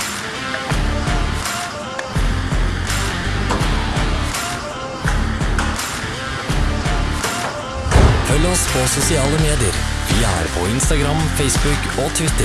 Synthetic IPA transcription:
fœləɔspʰoːsʊsɪɑːləmeːd̪ɪəɾʋiːæ̰ːɾpʰo̰ːɪnst̪ɑɡɾɑmfeɪsbʉkoːt̪ʰʋɪt̪ə

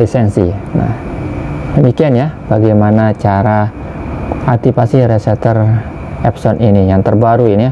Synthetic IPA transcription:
lisɛnsina̰h | dəmikianjab̥aɡajmanat͡ʃaɾa | ʔat̪ipasiɾɛsɛt̪ər | ɛpsɔnʔinijaŋt̪ərbaɾuini

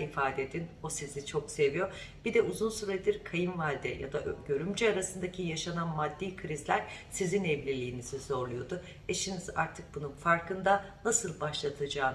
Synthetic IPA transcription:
ifaːd̪ed̪inosizit͡ʃʰo̞kse̞vijo̞ | bid̪ɛʔuzunsyɾaid̪iɾkʰajɯnvalʲd̪ɛ̰ja̰d̪aʔɟø̞ɾymd͡ʒyaɾasɯnd̪acʰijaʃananmad̪ːiːkʰɾizlʲæɾ̥sizinɛvlʲilʲiːnizizo̞ɾlˠujo̞d̪ʊ | eʃiniza̰ɾt̪ʰɯk̚bununfaɾkʰɯnd̪anasɯlˠbaʃlˠat̪ʰad͡ʒaːn

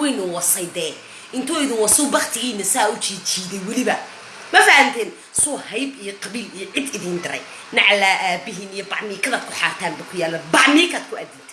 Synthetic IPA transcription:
wɛjnʊwɐsɐjd̪ɛː | ɪnt̪ʰʊːɪðɪwɐsʊbɑχt̪ʰɪɣiːnɐsaːʊt͡ʃiːt͡ʃiːðɛjwɐlɪβɐ | mɐfɐhɐnt̪ʰɛːn | sʊhɐjbijɔqɑβiːlijɔʕɪd̪ɪðiːnd̪ɪɾɛ̰j | nɐʕlaːʔaːbɪɦinijɔbɑʕmiːkʰɐðaːd̪̚kʰʊħaːrt̪ʰaːnbɐkʰʊjaːlɐbɑʕmiːkʰaːd̪kʰʊæd̪ɪnt̪ʰɛ̥

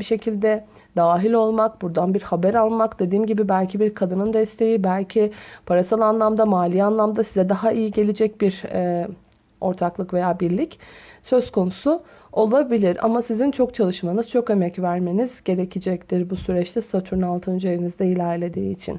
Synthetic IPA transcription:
biʃe̞cʰilʲd̪ɛ | d̪aːɦilʲo̞lˠmakbuɾd̪anbiɾhabæɾalˠmakd̪e̞d̪iːmɟibibælʲcʰibiɾkʰad̪ɯnɯnd̪ɛst̪ʰe̞jibælʲcʰipʰaɾasalˠanlˠamd̪amaːlʲianlˠamd̪asizɛd̪aɦaʔijiɟe̞lʲed͡ʒɛc̚biɾɛ | o̞ɾt̪ʰaklˠɯkve̞jaːbiɾlʲicsø̞zkʰo̞nusu | o̞lˠabilʲiɾa̰masizint͡ʃʰo̞k̚t͡ʃʰalˠɯʃmanɯz̥t͡ʃʰo̞ke̞mɛcvæɾme̞niz̥ɟe̞ɾecʰid͡ʒɛct̪iɾbusyɾɛt͡ʃt̪ʰɛsat̪ʰuɾnalˠt̪ʰɯnd͡ʒeɾinizd̪ɛilʲæɾlʲe̞d̪iːit͡ʃʰḭn

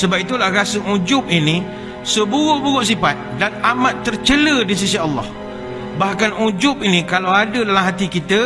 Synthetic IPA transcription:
səbap̚it̪ulahɾasəud͡ʒʊp̚ini | səbuɣʊʔbuɣʊʔs̬ipat̪̚danamat̪ːərt͡ʃələdis̬isiɑlːɑ̰h | bahkanud͡ʒʊpinikalawadədalamɦat̪ikit̪ə

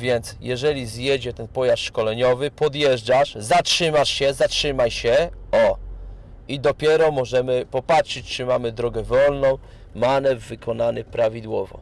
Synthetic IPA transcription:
vʲjɛnt̪sjɛʐɛlʲizjɛd͡ʑɛt̪ɛnpɔjasʂkɔlɛɲɔvɘpɔd̪jɛʐd͡ʐaʂzatʂɘmaʂɕɛzatʂɘmajɕɛɔ | id̪ɔpʲjɛɾɔmɔʐɛmɘpɔpatʂɘt͡ɕt͡ʂɘmamɘd̪ɾɔɡɛvɔlnɔ̃w̃ | manɛvvɘkʰɔnanɘpɾavʲid̪wɔvɔ̰

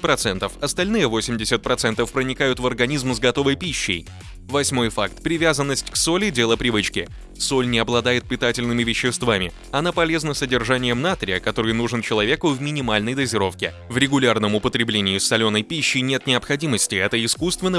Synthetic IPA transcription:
pɾɐt̪sɛnt̪əfɐst̪ɐlʲnɨjəvo̞sʲɪmdʲɪsʲət̪̚pɾɐt̪sɛnt̪əfpɾənʲɪkajʊt̪vərɡɐnʲizmzɡɐt̪o̞vəjpʲiɕːɪ̰j | vɐsʲmo̞jfakt̪pɾʲɪvʲazənːəsʲtʲkso̞lʲɪdʲe̞lˠəpɾʲɪvɨt͡ɕkʲɪ | so̞lʲnʲɪɐblˠɐd̪ajɪt̪̚pʲɪt̪atʲɪlʲnɨmʲɪvʲɪɕːɪst̪vamʲɪ | ɐnapɐlʲe̞znəsədʲɪrʐanʲɪjəmnat̪ɾʲɪjəkɐt̪o̞ɾɨjnuʐɨnt͡ɕɪlˠɐvʲe̞kʊvmʲɪnʲɪmalʲnəjd̪əzʲɪɾo̞fkʲɪ | vɾʲɪɡʊlʲarnəmʊpət̪ɾʲɪblʲenʲɪjʊsɐlʲo̞nəjpʲiɕːɪjnʲe̞t̪nʲɪɐpxɐdʲiməsʲtʲɪɛt̪əɪskust̪vʲɪnːə

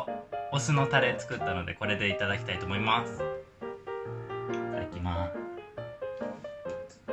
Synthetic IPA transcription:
osɨno̞t̪aɾe̞t͡sɨ̥kɯ̟t̪ːano̞d̪e̞̰ko̞ɾe̞d̪e̞it̪ad̪akʲi̥t̪ait̪o̞ːmo̞imasɨ̥ | it̪ad̪a̰kʲima

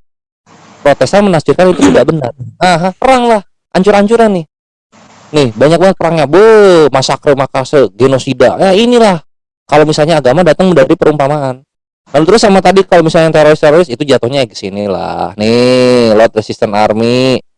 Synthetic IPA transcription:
pɾot̪esamənasd͡ʒɪrkanit̪ut̪iɡaʔbənə̰raɦapəɾaŋlah | ʔaɲt͡ʃuɾaɲt͡ʃuɾanːɪh | nɪhbaɲak̚bəat̚pəɾaŋjabomasakɾəmakasəɡenosidajainilah | kalomisalɲaːɡamadat̪əŋməndaɾipəɾumpamaʔan | lalut̪əɾʊsːamat̪adikalomisalɲat̪eɾoɾɪst̪eɾoɾɪsit̪ud͡ʒat̪ohɲaɡə̥sinila̰hnɪlɔt̪̚resist̪əna̰rmi

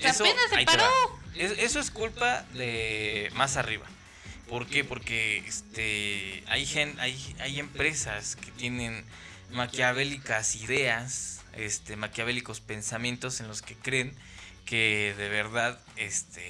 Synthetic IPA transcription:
easoenaeajaɾaoesʔe̞so̞eskulpaðemas̬ariβa̰ | po̞ɾke̞po̞ɾke̞est̪ea̰jxenajaje̞mpɾe̞saske̞t̪je̞nẽ̞n | makjaβe̞likasiðe̞as | e̞̰st̪e̞makjaβe̞liko̞spe̞nsamjẽ̞nt̪ose̞nlo̞ske̞kɾe̞ŋ | keðe̞βe̞ɾðað | est̪ʰe

